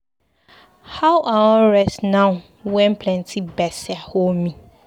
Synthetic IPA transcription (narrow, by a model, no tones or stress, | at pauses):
hawʔawɔ̃ɹɛsnãʊ | wɛ̃m̩pʰlɛ̃ntʰibɛsɪahomĩ